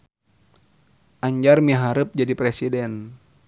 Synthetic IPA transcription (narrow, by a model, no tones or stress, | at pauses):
ʔaɲd͡ʒarmiɦaɾɨp̚d͡ʒadipɾɛsidɛn